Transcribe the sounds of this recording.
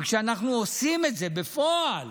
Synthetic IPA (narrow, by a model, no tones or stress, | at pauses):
kʃeanaχnuosimetze̞befoal